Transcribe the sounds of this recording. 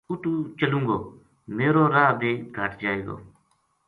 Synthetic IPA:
ʊʈuːt͡ʃəlũːŋɡoː | meːɾoːɾaːb̪ʱeːɡʱəʈd͡ʒaːeːɡo̰ː

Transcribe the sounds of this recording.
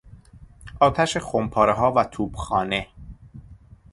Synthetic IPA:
ʔɒːt̪ʰæʃexompʰɒːɾeɦɒːvæt̪ʰuːb̥xɒːne̞

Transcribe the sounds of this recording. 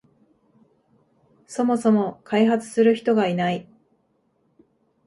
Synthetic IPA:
so̞mo̞so̞mo̞kʰaiɦat͡sɨ̥sɨɾɯ̟çi̥t̪o̞ɡainai

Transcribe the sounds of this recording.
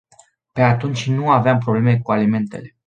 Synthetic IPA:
pe̞at̪unt͡ʃʲnuaveampɾo̞ble̞me̞kualime̞nt̪ḛle̞

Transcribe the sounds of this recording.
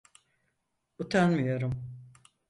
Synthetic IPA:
ut̪ʰanmɯjoɾum

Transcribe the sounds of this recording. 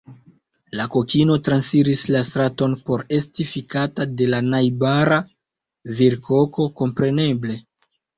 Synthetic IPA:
lako̞kino̞tɾansiɾislastɾato̞npo̞ɾe̞stifikatade̞lanajbaɾa | viɾkʰo̞ko̞ko̞mpɾe̞ne̞ble̞

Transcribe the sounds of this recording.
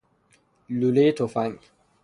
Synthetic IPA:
luletɔfaɲ

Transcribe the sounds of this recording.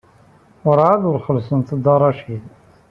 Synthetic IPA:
wəɾˤʕaðʊɾχəlsənt̪əd̪ɑɾˤɑʃid

